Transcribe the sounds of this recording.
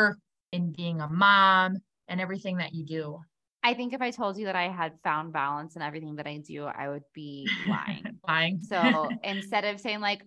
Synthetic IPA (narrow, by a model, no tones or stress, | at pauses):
ɨ̃nbiɪ̃ŋəmɑ̃m | ʔɨ̃nɛvɹiθɪ̃ŋðɨt͡ʃɨdʉ | aɪθɪ̃ŋkɨfaɪtʰoʊlˠd͡ʒɨðɨɾaɪɨd̥fãʊ̃nbælˠə̃nsɨ̃nɛvɹiθɪ̃ŋðɨɾaɪdʉ̰a̰ɪwɨd̚b̥ilã̰ɪɪ̰̃ŋlaɪɪ̃ŋsoʊʔɪ̃nstɛɾʌv̥seɪɪ̃ŋlaɪk